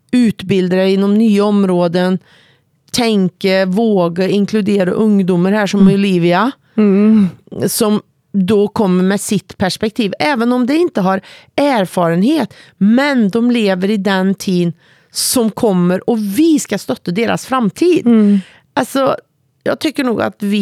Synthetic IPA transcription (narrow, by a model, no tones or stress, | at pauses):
ʉːt̪bɪld̪ɾaɾɪnːɔmnyːəɔmːɾoːd̪ən | t̪ʰɛŋkəvoːɡaɪŋkʰlʉd̪eːɾa̰ʔɵŋd̪ʊmːəɾhæːʂɔmʊliːvɪa | sɔm | d̪ɔkʰɔmːəɾmɛsɪt̪ːpʰæʂpɛk̚t̪ʰiːvɛːvənɔmd̪ɛɪnt̪əɦɑɾæːɾfɑːɾənheːt̪mɛnd̪ɔmleːvəɾɪd̪ɛnt̪ʰiːn | sɔmkʰɔmːəɾɔvɪskast̪œt̪ːəd̪eːɾa̰sfɾamːt̪ʰiːd̪ | alsɔ | jɑ̰ːɡt̪ʰʏkːəɳuːɡa̰t̪vɪ